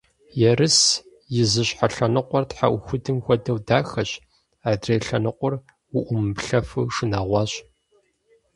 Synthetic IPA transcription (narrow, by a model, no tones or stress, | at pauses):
jɛrɨs | jɪzɨɕħaɬɐnɨqʷɔrtħa̰ʔʷʊxʷʊdɨmxʷɔdɐwdaːxɐɕ | aːdreːɬɐnɨqʷʊr | wʊʔʷʊmɨpɬɐfɨwʂɨnaːʁʷɑːɕ